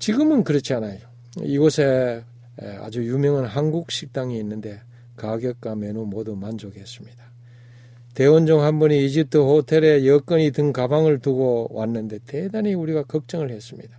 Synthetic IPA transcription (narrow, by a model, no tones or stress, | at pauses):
t͡ɕiɡɯmɯnkɯɾʌt͡ɕʰianajo | iɡosʰe̞ | a̰d͡ʑujumjʌŋɯnɦanɡuk̚ɕ͈ʰik̚t͈aŋiːnːɯnde̞ | kaɡjʌk̚k͈ame̞numodumand͡ʑoɡes͈ɯmɲid̥a | te̞wond͡ʑoŋɦanbuniːd͡ʑip̚tʰɯhotʰe̞ɾe̞jʌk͈ʌɲitɯŋkabaŋɯɭtuɡowanːɯnde̞tedaniuɾiɡakʌk̚t͡ɕ͈ʌŋɯɭhe̞s͈ɯmɲid̥a